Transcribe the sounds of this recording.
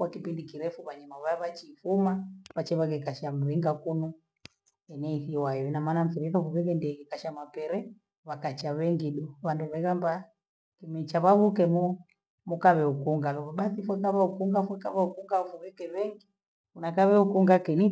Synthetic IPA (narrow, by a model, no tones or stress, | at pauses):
kwakipindikiɾɛfuβaɲamaβaaβat͡ʃiːfumaβat͡ʃɛβaɣɛkaʃam̩ɾiŋɡakunɔ | ɛnɛiθiwajɔinamanam̩fiɾikafuβɛɣɛndɛkɛkaʃamapɛɾɛ | βakat͡ʃaβɛŋɡiɗuβanduβɛɣamba | kimɛt͡ʃaβaβukɛmu | mukaβɛukuŋɡalɔβaɓaθifwɛkaβaukuŋɡafwɛkaβaukuŋɡafuβɛkɛβɛŋɡi | unakaβɛukuŋɡakɛni